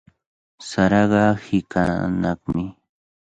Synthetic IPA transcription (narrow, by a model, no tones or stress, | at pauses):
saɾɑɢɑhɪkʰa̰nɑχmɪ